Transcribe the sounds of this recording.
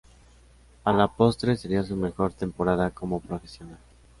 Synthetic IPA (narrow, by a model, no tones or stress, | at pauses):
alapo̞st̪ɾeseɾias̬ume̞xo̞ɾt̪e̞mpo̞ɾaðako̞mo̞pɾofe̞sjo̞nal